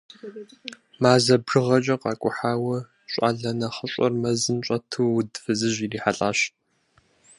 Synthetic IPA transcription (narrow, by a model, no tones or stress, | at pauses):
maːzɐbrɨʁɐt͡ʃʼɐqɑːkʷʼʊħaːwɐ | ɕʷʼa̰ːɮɐnɐχəɕʷʼɐ̰rmɐzɨmɕʷʼɐtʰuːʊdfɨzɨʑiriːħaɬʼaːɕ